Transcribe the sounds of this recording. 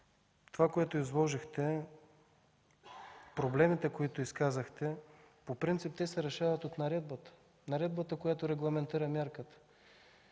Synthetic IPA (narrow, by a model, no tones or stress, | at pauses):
t̪ovakoɛt̪oizlˠɔʒixt̪ɛ | pɾoblɛmit̪ɛkoit̪oiskazəxt̪ɛ | popɾint̪sip̚t̪ɛsɛɾɛʃavɐt̪ot̪nɐɾɛd̪̚bət̪ə̥ | nɐɾɛd̪̚bət̪əkojat̪oɾɛɡlˠɐmɛnt̪iɾəmʲjaɾkət̪ə̥